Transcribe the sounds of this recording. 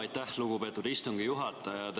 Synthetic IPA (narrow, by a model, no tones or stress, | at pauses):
jt̪æhluɡ̥upe̞ːt̪ːˑud̪ist̪uŋɡ̥ijuɦɑt̪ːˑɑjɑd̪